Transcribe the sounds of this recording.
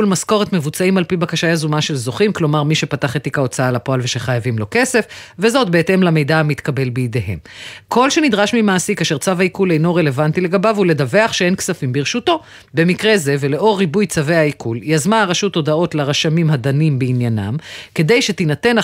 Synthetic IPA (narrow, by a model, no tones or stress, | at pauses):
ulmasko̞ʁet̪me̞vut͡saimalpibakaʃajazumaʃe̞lzo̞χimklo̞maʁmiʃe̞pataχet̪ikaot͡saalapo̞alveʃeχajavimlo̞ke̞se̞fve̞zo̞t̚be̞ete̞mlame̞jdaamit̪kabe̞lbeid̪eɦe̞̰mkʰo̞lʃe̞nid̪ʁaʃmimaːsikaːʃe̞ʁt͡savaikule̞jno̞ʁe̞le̞vantile̞ɡabavule̞d̪ave̞aχʃee̞nksafimbiʁʃuto̞ | be̞mikʁeze̞ve̞le̞ʔo̞ʁːibujt͡save̞aikuljazmaːʁaʃuto̞dao̞tlaʁaʃamimhad̪animbeinjana̰mke̞d̪e̞jʃet̪inat̪e̞n